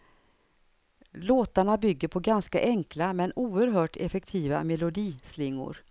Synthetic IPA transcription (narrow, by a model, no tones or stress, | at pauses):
loːt̪aɳabʏɡːəɾpʰɔɡanska̰ʔɛŋklamɛnuːəɾɦœːʈʰɛfɛk̚t̪ʰiːva̰mɛlʊd̪iːslɪŋːʊ̰ɾ